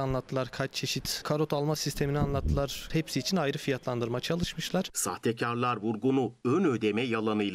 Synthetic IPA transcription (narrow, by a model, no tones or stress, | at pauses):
anlˠat̪ʰːɯlˠaɾkʰat͡ʃt͡ʃʰe̞ʃit̪kʰaɾo̞t̪alˠmasist̪ʰe̞minianlˠat̪ʰːɯlˠaɾ̥hepsiːt͡ʃʰinajɾɯfijat̪lˠand̪ɯɾmat͡ʃʰalˠɯʃmɯʃlˠaɾ̥sa̰ht̪ʰecʰaɾlˠaɾvuɾɡunuønød̪emɛjalˠanɯjlˠ